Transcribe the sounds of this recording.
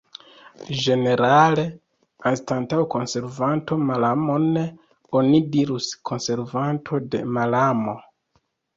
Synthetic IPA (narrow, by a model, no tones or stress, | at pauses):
ʒe̞ne̞ɾale̞ | anstantawko̞nse̞ɾvantʰo̞malamo̞ne | onidiɾuskʰo̞nse̞ɾvantʰo̞de̞̰malamo̞